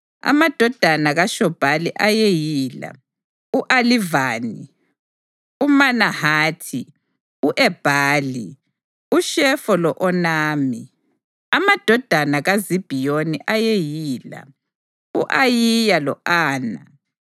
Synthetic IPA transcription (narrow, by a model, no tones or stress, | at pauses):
a̰mad̥ʱɔd̥ʱanaɣaʃɔb̥ʱaliʔajejiːla̰ | uʔalivaːni | umanahaːtʰi | uʔɛb̥ʱaːli | uʃɛfɔlɔʔɔnaːmi | amad̥ʱɔd̥ʱanaɣazib̥ʱijoniʔajejiːla̰ | uʔajijalɔʔaːna̰